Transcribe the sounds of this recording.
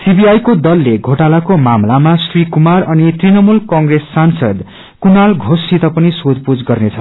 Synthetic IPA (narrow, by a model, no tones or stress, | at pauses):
sibiajkod̪ʌlːeɡʱoʈalakomamlamasrikumarʌnit̪rinʌmulkʌŋɡresːansʌd̪ | kunalɡʱosit̪ʌpʌnisod̪pud͡zɡʌrnet͡sʰʌ